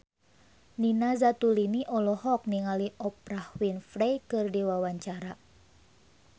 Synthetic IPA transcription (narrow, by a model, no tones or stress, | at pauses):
ninazat̪uliniʔɔlɔhɔk̚niŋaliʔɔp̚ɾahwinfɾejkɨrdiwawaɲt͡ʃaɾa